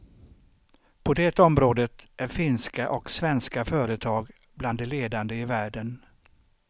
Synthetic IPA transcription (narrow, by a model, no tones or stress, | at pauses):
pʰɔd̪ɛːt̪ɔmɾoːd̪ət̪æɾfɪnskaʔɔksvɛnskafœːɾət̪ʰɑːɡ | bland̪ːɛleːd̪and̪əɪvæːɖən